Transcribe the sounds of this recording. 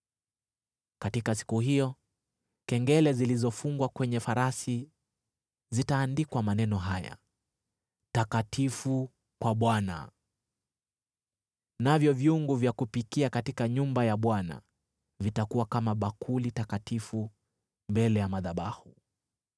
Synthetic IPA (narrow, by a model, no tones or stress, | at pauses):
katikasi̥kuhijɔ | kɛŋɡɛlɛzilizɔfuŋɡwakwɛɲɛfaɾasi | zitaːndikwamanɛnɔɦaja̰ | takatʰifu | kwaɓwana̰ | navjɔvjuŋɡuvjakupikiakatikaɲumbajaɓwana̰ | vitakuwakamaɓakʰulitakatifu | mbɛlɛjamaðaɓahu